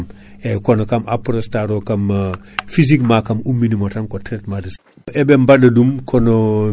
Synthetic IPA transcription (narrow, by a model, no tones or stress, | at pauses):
m | ekonokamʔapɾostaɾokam | fiz̬ikmakamumːinimotankotɾetmadus | ʔɛbembadɐdumkʰono